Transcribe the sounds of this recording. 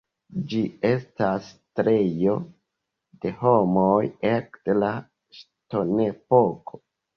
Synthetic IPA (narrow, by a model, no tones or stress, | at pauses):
d͡ʒie̞stastɾejo̞ | de̞ho̞mojekla | ʃ | to̞ne̞pokʰo̥